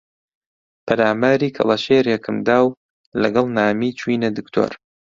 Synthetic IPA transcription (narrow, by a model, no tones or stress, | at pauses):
pʰɐɾaːmaːɾiːkʰɐ̰lˠɐʃeːɾjɛkʰɨmd̪aːw | lɐɡɐlˠnaːmiːt͡ʃʰwiːnɐd̪ɨkt̪ʰo̰ːɾ